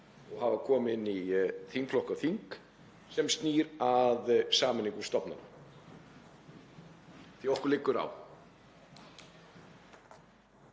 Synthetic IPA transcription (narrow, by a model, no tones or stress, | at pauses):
ɔɣɦavakʰɔːmɪnːiθiŋkfʰlɔhkaθiŋk | sɛmst̪niːɾaðsaːmɪniŋkʏst̪ɔpnana̰ | θiɔhkʏɾlɪkːʏɾa̰w